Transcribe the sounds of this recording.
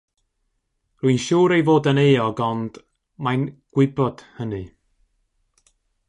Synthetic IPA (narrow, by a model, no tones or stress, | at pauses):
rʊɨnʃuːɾejvoːdəneːɔɡɔnd̥ | manɡ̥wɪbɔd̥hənɨ